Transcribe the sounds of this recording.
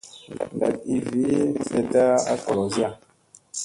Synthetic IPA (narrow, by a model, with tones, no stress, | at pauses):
a̰˨t̚i˨vi˦sɛ˨ta˦a̰˦kɔ˨za˦˨